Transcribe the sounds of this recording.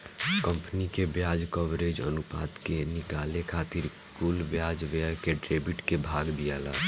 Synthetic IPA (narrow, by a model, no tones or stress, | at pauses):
kəmpnikebjaːd͡ʒkɔʋɾed͡ʒə̰nupa̰ːd̪kenɪkalekʰaːt̪iɾ | kulbjad͡ʒʋeəkeʈɾebiʈkebʱaːɡd̪ijala̰ː